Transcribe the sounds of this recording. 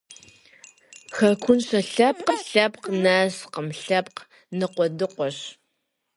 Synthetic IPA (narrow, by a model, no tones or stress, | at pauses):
xɐkʷʰʊnɕɐɬɐp̚qəɬɐpqnaːsqəmɬɐp̚q | nɨqʷɔdɨqʷɔɕ